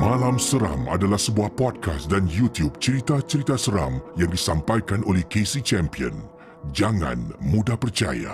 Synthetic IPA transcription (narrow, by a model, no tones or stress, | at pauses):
mãlamsəɾa̰ma̰dalahsəbuahpɔd̚kasdanjut̪jub̚t͡ʃəɾit̪at͡ʃəɾit̪asəɾa̰mjaŋdisampajkanʔolɛhkesit͡ʃɛmpiə̰n | d͡ʒaŋã̰nmudapərt͡ʃa̰ja̰